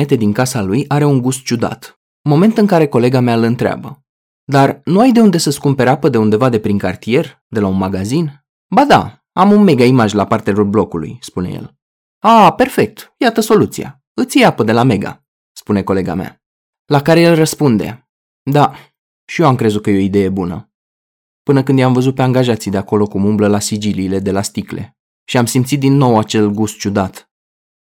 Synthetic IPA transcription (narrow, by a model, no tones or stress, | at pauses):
e̞t̪e̞d̪iŋkasalujaɾe̞uŋɡust̪̚t͡ʃud̪a̰t̪ | ɨmo̞me̞nt̪ɨŋkaɾe̞ko̞le̞ɡameaɨlɨnt̪ɾea̰bə | d̪arnuajd̪e̞und̪e̞səskumpe̞ɾapəd̪e̞und̪e̞vad̪e̞pɾiŋkart̪ije̞r | d̪e̞launmaɡazin | bad̪a̰ | amunme̞ɡaimaʒʲlapart̪eɾulblo̞kulṵjspune̞̰jḛl | ape̞rfe̞k̚t̪jat̪əso̞lut̪sija̰ | ɨt̪sjeapəd̪e̞lame̞ɡa̰ | spune̞ko̞le̞ɡa̰mea̰ | lakaɾe̞je̞lrəspund̪e̞̰ | d̪a | ʃijoamkɾe̞zut̪̚kəjeo̞id̪e̞je̞bunə̰ | pɨnəkɨnd̪jamvəzut̪̚pe̞aŋɡaʒat̪sijd̪e̞ako̞lo̞kumumbləlasid͡ʒiliːle̞d̪e̞last̪ikle̞̰ | ʃiamsimt̪sit̪̚d̪inːo̞wat͡ʃe̞lɡust̪̚t͡ʃud̪at̪